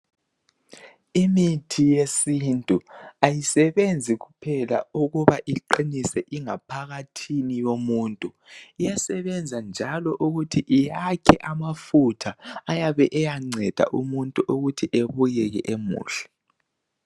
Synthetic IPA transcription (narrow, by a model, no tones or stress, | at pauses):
imitʰijesintʼuajisɛβend͡zʱiɣupʰɛla̰uɣuβaʔiǃinisɛʔiŋapʰaɣatʰinijomuːntʼu | ijasɛβɛnd͡zʱand͡ʒʱalɔʔuɣutʰiʔijakʰɛʔamafutʰaːjaβɛʔɛjaŋ͡ǀʱɛd̥ʱa̰ʔumuntʼuʔuɣutʰiʔeβujɛɣɛ̰ʔemṵːɬɛ̥